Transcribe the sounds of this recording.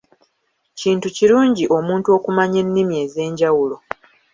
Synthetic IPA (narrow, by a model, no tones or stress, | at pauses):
ciːntuciɾuːɲɟiʔo̞muːntuo̞ːkumaɲe̞nːimje̞ːze̞ːɲɟawulo̞